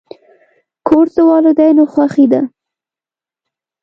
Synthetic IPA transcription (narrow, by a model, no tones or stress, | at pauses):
kʰoɾt̪əwɑlod̪ajnoxwaxid̪a